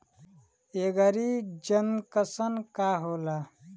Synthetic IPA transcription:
eɡəɾid͡ʒənkəsənkaɦola

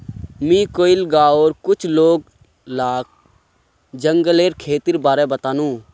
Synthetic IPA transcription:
mĩːkoːɪlɡaːoːɾkʊt͡ʃʰloːɡ̚ | laːk̚ | d͡ʒəŋɡəleːɾkʰeːt̪iɾbaːɾɛbət̪aːnũː

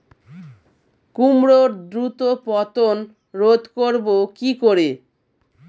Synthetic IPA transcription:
kumɾoɾd̪ɾut̪opɔt̪on | ɾod̪ʱkoɾbokikoɾe

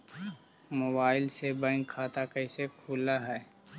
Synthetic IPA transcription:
moːbaːɪlsebɛ̃ːŋkʰːaːt̪akɐɪsekʰuːlaɦɛː

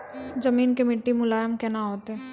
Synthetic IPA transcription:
zɐmiːnkemɪʈːimʊlaːjəmkɛnaɦoːt̪ɛː

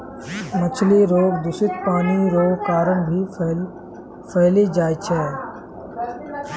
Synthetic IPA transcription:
mət͡ʃʰliɾoːɡd̪ʊsɪt̪̚paːniɾoːɡkaːɾəmbʱiː | fʰəːliːd͡ʒaːit͡ʃʰɛː

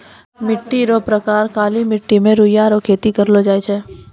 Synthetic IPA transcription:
mɪʈːiɾopɾɐkaːɾkaːlimɪʈːimẽɾʊjaɾokʰeːt̪ikɐɾlod͡ʒaːet͡ʃʰɛː

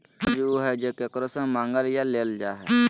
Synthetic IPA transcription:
d͡ʒuɦɛd͡ʒekekɾosə̃mãːŋɡəljaleːld͡ʒaːɦɛ

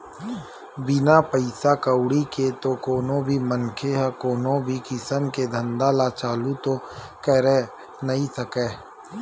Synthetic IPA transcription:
bɪnapəɪsakəwʊɽiket̪okoːnõbʱimənkʰeɦɛkoːnõbʱikɪsəmked̪ʱə̃nd̪alat͡ʃaːlut̪o | kɛɾe | nɐɦĩsəkɛː

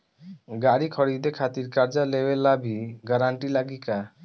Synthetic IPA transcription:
ɡaɽikʰɔɽid̪ekʰat̪iɾkaɾd͡ʒalewelːabʱiɡəɾaɳʈilaɡika

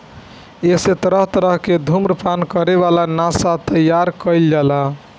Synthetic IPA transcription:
eset̪əɾəɦt̪əɾəɦked̪ʱumɾəpankəɾeβalanasat̪əjːaɾkəɪld͡ʒala

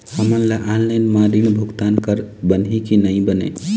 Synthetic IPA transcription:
həmənlaʔalːəjnmaɾinbʱuɡt̪ankəɾbənɦikinəibənḛ

